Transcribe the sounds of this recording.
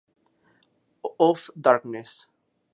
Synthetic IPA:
ɔfd̪aɾknes

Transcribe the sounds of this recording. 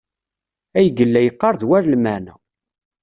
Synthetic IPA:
æjəɡəlːæjəqːɑɾˤðwæɾlmænæ̰

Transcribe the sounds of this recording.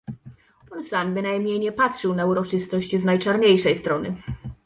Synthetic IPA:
pɔnsambɘnajmɲejɲɛpatʂɘwnauɾɔt͡ʂɘst̪ɔɕt͡ɕznajt͡ʂaɾɲejʂɛjst̪ɾɔnɘ̰

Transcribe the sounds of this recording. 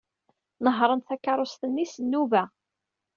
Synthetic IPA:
nəɦɾˤənt̪θækːɑɾˤost̪ənːisnːuvæ

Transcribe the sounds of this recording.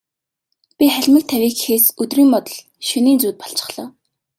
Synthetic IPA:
pʲiχæɮʲmə̆ɮt̪ʰːæwʲiːkxeːsɵt̪riːmpɔt̪ɞ̆ɮ | ʃɵniːnt͡suːt̪̚pɔɬt͡ɕɪ̥̆χɮ̥ɔː

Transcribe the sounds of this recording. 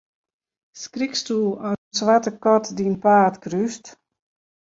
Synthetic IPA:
skrikstulˠɔənsʋatəkɔtdinpaːtkryst

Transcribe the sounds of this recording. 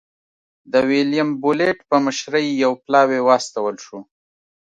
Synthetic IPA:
d̪əwilijambuleʈpəməʃɾəjːawplɑwewɑːst̪awəlʃu

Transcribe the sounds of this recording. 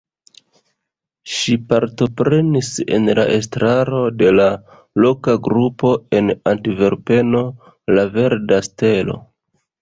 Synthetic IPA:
ʃipaɾto̞pɾe̞nise̞̰nla̰ʔe̞s̬tɾaɾo̞de̞la | lo̞kaɡɾupo̞e̞nantive̞ɾpe̞no̞ | lave̞ɾdaste̞lo̞̰

